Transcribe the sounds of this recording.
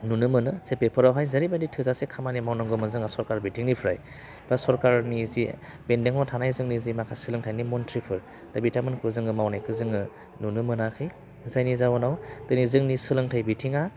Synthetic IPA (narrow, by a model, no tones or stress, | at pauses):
nunɯmɯnɯsepepʰɯɾawɦajzaɾibanditʰɯzasekʰamanimawnɔŋɡɔmɯnzɯŋasɔɾkaɾbitʰiŋnipʰɯɾaj | b̥asɔɾkaɾnizibendeŋɔtʰanajzɯŋnizimakʰasɯlɯŋtʰajnimɔntʰɾipʰɯɾ | tabitʰamɯnkʰɯzɯŋɯmawnajkʰɯzɯŋɯ | nunɯmɯnakʰɯj | zajnizawɔnawtɯnizɯŋnisɯlɯŋtʰajbitʰiŋa